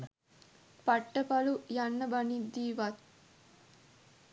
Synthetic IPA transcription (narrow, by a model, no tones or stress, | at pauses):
pɐʈːɐpɐlujɐnːɐbɐnid̪ːiːʋat̪̚